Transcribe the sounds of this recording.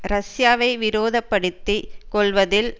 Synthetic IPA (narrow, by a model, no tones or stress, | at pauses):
ɾɐsjaːʋɐɪʋɪɾoːðɐpːɐɽɯt̪ːikɔɭʋɐðɪl